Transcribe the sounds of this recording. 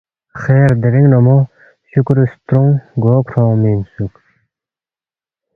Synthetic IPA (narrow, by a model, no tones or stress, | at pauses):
xeːɾd̪eɾiŋnɔmo | ɕukɾust̪ɾuŋɡoːkʰɾõːmiːnsuk